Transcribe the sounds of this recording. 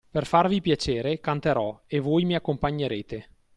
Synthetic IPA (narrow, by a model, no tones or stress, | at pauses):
perfarvipjat͡ʃeːɾekant̪eɾɔevojmiakːompaɲːeɾeːt̪e